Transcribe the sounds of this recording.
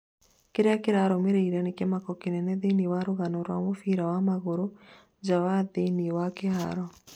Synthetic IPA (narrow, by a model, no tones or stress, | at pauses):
keɾeakeɾaɾɔmeɾeiɾanekemakɔkenɛnɛðeniwaɾoɣanɔɾwamofiɾawamaɣoɾo | d͡ʒawaðeniwakeha̰ɾɔ